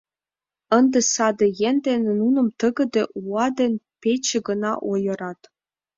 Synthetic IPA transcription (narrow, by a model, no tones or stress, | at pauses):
ɤ̆nd̪ĕsɑd̪ɤ̆jenʲd̪ʲenʲnunɤ̆mt̪ɤ̆ɡɤ̆d̪ɘ̆ʔuɑd̪ʲĕnʲpʲet͡ɕɘ̆ɡɤ̆nɑʔojɤ̆ɾɑt̪